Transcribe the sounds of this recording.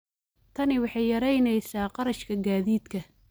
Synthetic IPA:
t̪ʰɐnɪwɑħɑjjɐɾɛjnɛjsaːqɑɾɐʃkʰɐɡaːðiːd̪kʰɐ

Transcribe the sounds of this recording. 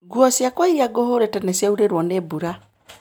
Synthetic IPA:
ɡuɔsjakwaiɾiaɡoɦoɾetɛnɛsjauɾeɾwɔnebuɾa

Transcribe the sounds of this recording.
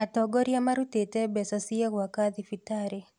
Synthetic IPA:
atɔɡɔɾijamaɾutetɛbɛsasiewakad̪ifitaɾe

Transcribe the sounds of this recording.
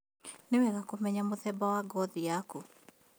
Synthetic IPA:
nɪwɛɣakomɛɲamoðɛbawaɡɔðiaku

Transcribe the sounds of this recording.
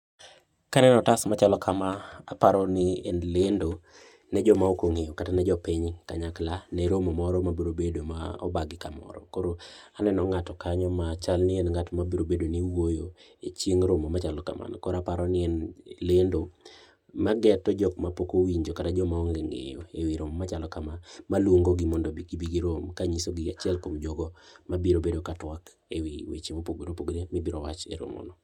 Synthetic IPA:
kanɛnɔtasmat͡ʃalɔkʰamanapaɾɔnɪenlendo | nɛd͡ʒɔmaokoŋejokatanɛd͡ʒɔpɪɲka̰ɲaklanɛɾomɔmɔɾɔmabiɾobedomaɔ̰baɡɪkamɔ̰ɾɔ̰koɾoanɛnɔŋatɔkaɲɔmat͡ʃalnɪenŋatmabiɾobedoniwojo | et͡ʃjeŋɾomɔmat͡ʃalɔka̰ma̰nkɔɾapaɾɔnɪɛnlendo | maɡɛtɔd͡ʒɔkmapokowiɲd͡ʒokatad͡ʒɔmaɔŋɡeŋḛjo̰ewiɾomɔmat͡ʃalɔkamamalwoŋɡoɡɪmɔndɔbiɡibiɡiɾomkaɲisoɡɪat͡ʃɛlkomd͡ʒoɡɔmabiɾobedokatwak | ewiwḛt͡ʃemopoɡodopoɡɾemɪbiɾowat͡ʃḛɾo̰mo̰nɔ

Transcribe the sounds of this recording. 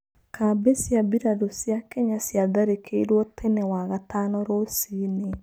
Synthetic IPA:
kʰabesjabiɾadosjakeɲasjaðaɾekʰeiɾwɔtʰenewaɣatanɔɾosine

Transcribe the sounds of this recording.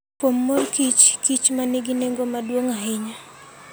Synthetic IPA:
pomːolkit͡ʃkit͡ʃmaniɡinɛŋɡomadwoŋaɦɪɲa

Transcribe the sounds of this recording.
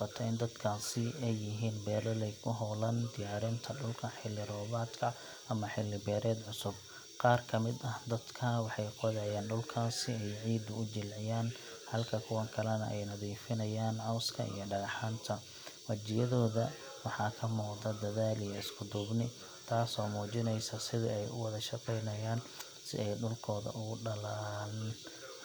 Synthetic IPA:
fɐt̪ʰɐɪnd̪ɐd̪kʰaːsɪɛjːɪɦiːnbɛːlɔlɛjkʰʊɦɔːlɐnd̪ɪjaːɾɪnt̪ʰɐɖʊlkʰɐħɪlːɪɾɔːβaːd̪kʰɐ | ʔɐmɐħɪlːɪbɛːɾɛːd̪ʕʊsʊb̚ | qɑːrkʰɐmɪd̪ɐhd̪ɐd̪kʰɐwɑħɑjqɔðɛjaːnɖʊlkʰaːsɪɛjʕiːd̪ʊʊd͡ʒɪlʕɪjaːn | hɐlkʰɐkʰʊwɐŋkʰɐlɐnɐ̰ʔɛjnɐðiːfɪnɐjaːnʕɑwskʰɐ̰ḭjɞɖɐɣɑħaːnt̪ʰɐ | wɐt͡ʃɪjɐðɔːðɐ | wɑħɑːkʰɐmuːqd̪ɐd̪ɐðaːlijɔɪskʰʊd̪ʊbnɪ | t̪ʰaːsɔːmuːt͡ʃɪnɛjsɐsɪðɪɛjʔʊ̰wɑðɐʃɑqɛjnɐjaːn | sɪ̰ɛjɖʊlkʰɔːðɐ̰ʔʊɣʊɖɐlaːn

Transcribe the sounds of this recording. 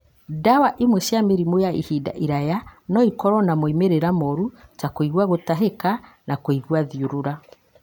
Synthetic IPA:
dawaʔimwɛʃjameɾimojaḭhida̰ʔiɾajanɔikɔɾɔnamoimeɾeɾamɔɾut͡ʃakoiɣwaɣotaɦeka | nakoiɣwaðiuɾoɾa

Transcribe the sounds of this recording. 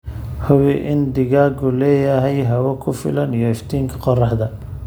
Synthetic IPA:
hʊβɪʔɪnd̪ɪɣaːɡʊlɛːjɐɦɛjɦɐwɐkʰʊfɪ̰lɐnijɔɪft̪ʰiːŋkʰɐ̥qɔrɑħd̪ɐ

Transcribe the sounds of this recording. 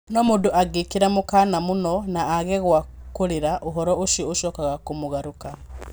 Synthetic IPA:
nɔmondoʔaɡekeɾamokanamonɔnaːɣɛɣwakoɾeɾaʔoɦɔɾɔoʃijɔoʃɔːkaɣakomoɣaɾoka

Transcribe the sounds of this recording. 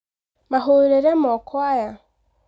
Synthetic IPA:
maɦuɾeɾemɔkʰwaja

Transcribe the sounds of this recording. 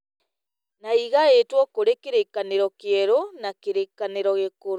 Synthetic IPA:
naiɣaetwɔkoɾekeɾekːaneɾɔkeɛɾonakeɾekaneɾɔɣekoɾ

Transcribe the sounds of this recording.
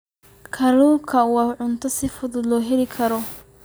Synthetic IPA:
kʰɐluːkʰɐwɑʕʊnt̪ʰɔsɪfʊðʊd̪lɔːɦɛlɪkʰɐɾɔ

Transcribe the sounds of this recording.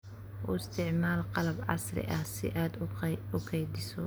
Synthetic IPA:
ʔʊɪst̪ʰɪʕmaːlqɑlɐbʕɑ̰srɪ̰ʔɐhsɪ̰ʔaːd̪ʊkʰɛjd̪ɪsɔ

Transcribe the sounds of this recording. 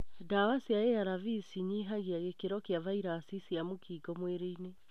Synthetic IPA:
dawasiaeaɾavisiɲiɦaɣiaɣekeɾɔkeavaiɾaːsisiamokʰiːɡɔmweɾeine

